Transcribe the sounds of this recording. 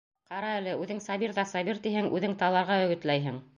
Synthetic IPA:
qɑɾɑælɘʉðɘŋsɑβiɾðɑsɑβiɾt̪ihɘŋʉðɘŋt̪ɑlˠɑɾʁɑɵ̆ɡɘ̆t̪læjɦɘŋ

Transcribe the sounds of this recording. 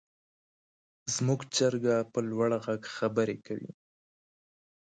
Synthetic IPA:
zmuɡt͡ʃəɾɡapəlwaɽɣaɡxabəɾekawḭ

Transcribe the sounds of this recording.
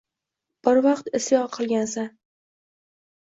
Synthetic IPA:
b̥ɪɾvɑqt̪ɪst̪jɒqʰɨlˠɡʲansa

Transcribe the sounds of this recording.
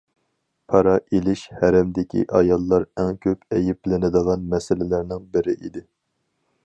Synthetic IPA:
pʰɑɾɑʔelɪʃhæɾɛmd̪ɪkʲʰḭʔɑjɑlˠːɑɾɛŋkʲʰøpɛjɪplɪnɪd̪əʁɑnmɛsɪlɪlæɾnɪŋbɪɾɪʔid̪ɪ

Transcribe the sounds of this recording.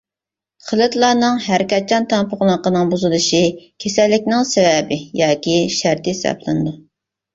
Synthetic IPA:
χʰəlˠɨt̪lˠɑːnɨŋɦæɾkʲɛt̪̚t͡ʃʰɑnt̪ʰɑnpʰʊʁlˠqənɨŋbuzɨlˠɨʃikʲʰesælːɪkʲnɪŋsevɛbɪjɑːkʲʰiʃæɾt̪ɪsɑ̰plˠɨnd̪ɨ

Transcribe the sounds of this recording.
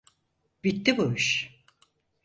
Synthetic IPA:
b̥it̪ːibuyʃ

